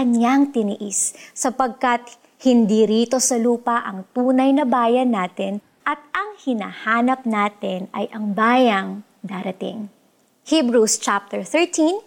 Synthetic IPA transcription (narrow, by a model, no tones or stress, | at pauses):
kɐnjaŋt̪ɪnɪʔɪsːɐpɐɡ̚kɐt̪̚ | hɪnd̪iɾiːt̪o̞sɐluːpɐʔɐŋt̪uːnɐjnɐbaːjɐnːaːt̪ɪn | ʔɐt̪̚ɐŋhɪna̰ːhaːnɐp̚naːt̪ɪnɐjʔɐŋbaːjɐŋ | d̪aːɾɐt̪ḭŋ | hibɹust͡ʃap̚t̪ɛɹθɛɹt̪in